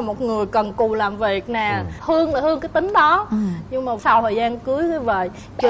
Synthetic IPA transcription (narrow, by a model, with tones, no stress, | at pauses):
mo˨˩t̚ŋɨ˨˩əjkə˨˩nku˨˩laː˨˩mvi˨˩ək̚naː˨˩hɨ˧əŋlaː˨˩hɨ˧əŋkaː˨˦jt̪ï˨˦ŋ̟ɗɔ˨˦ɲɨ˧ŋŋ͡mmaː˨˩sa˧wt̪ʰəː˨˩jzaː˧nkɨ˨˦əjkə˨˧˦və̰˧˨j | t͡ɕ